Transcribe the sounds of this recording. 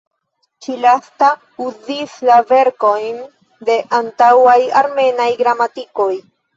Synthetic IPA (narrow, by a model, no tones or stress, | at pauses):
t͡ʃilasta | uzislave̞ɾko̞jn | de̞ʔantawajaɾme̞najɡɾamatiko̞j